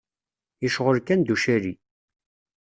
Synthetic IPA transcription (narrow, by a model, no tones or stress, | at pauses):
iʃʁəɾkænd̪uʃæɾi